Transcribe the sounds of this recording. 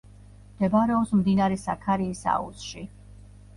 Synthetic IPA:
md̪̥ɛbaɾɛɔpsmd̪inaɾɛsakʰaɾiːsa̰ṵsʃi

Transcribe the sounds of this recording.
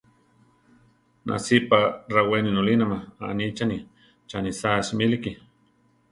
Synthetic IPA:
na̰siparaweninolinamaa̰nit͡ʃani | t͡ʃanisasmiliki

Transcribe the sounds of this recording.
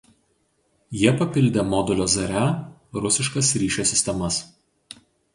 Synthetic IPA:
jiɛpɐpʲɪlʲd̪ʲeːmɔd̪ʊlʲoːzɐɾʲæɾʊsʲɪʃkɐsɾʲiːʃʲosʲɪsʲt̪ʲɛmɐs

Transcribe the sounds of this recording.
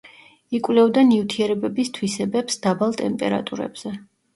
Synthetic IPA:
ikʼwlɛvd̪aniut̪ʰiɛɾɛbɛbist̪ʰwisɛbɛpsd̪̥abalˠt̪ʼɛmpʼɛɾa̰t̪ʼuɾɛ̰b̥z̥ɛ

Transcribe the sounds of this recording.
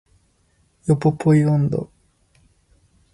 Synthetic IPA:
jopopʰojond̪o̰

